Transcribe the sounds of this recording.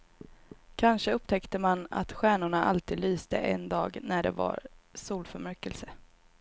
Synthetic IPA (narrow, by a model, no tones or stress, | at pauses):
kʰanʂəɵpt̪ʰɛkt̪əmana̰t̪ɧæːɳʊɳaʔalt̪ʰiːd̪lyːsd̪ə̰ʔɛnd̪ɑːɡnæɖɛ̰va̰ɾsuːlfœɾmæɾkəlsə